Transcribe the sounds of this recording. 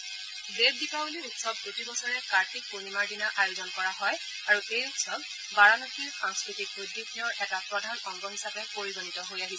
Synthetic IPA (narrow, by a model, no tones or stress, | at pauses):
beb̚dipawuliɹutsɔp̚kotibɔsɔɹɛkaɹtʰik̚ponimaɹdinaʔajuzɔnkɔɹaɦɔj | aɹuxejutsɔb | baɹanokiɹxaŋskɹitik̚bodːikʰinɔɹʔɛtapɹɔdʱanɔŋɡɔɦisapɛpoɹiɡɔnitɔɦojaɦisɛ